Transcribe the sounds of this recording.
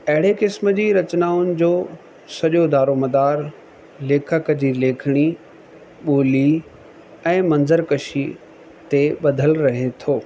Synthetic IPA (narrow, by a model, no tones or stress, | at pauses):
ɐɦɪɽ̤ekɪsməd͡ʑiːɾɐt͡ɕnaːʊnɪ̆d͡ʑoː | sɐʄod̪aːɾomɐd̪aːɾ | leːkʰəkəd͡ʑileːkʰɪɽ̃i | ɓoːli | ɛ̃ːmɐ̃nzəɾkɐʃi | t̪eɓɐd̪ʱəlɾɐɦet̪ʰoː